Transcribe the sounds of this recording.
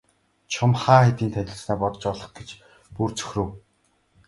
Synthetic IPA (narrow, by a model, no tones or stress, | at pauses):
t͡ɕʰʊmχaːχet̪iːnt̪ʰænʲɪ̆ɮsnæːpɔt̪̆t͡ɕɔɮɞ̆χɡet͡ɕ | purt͡sɵ̥xʲrɘ̆w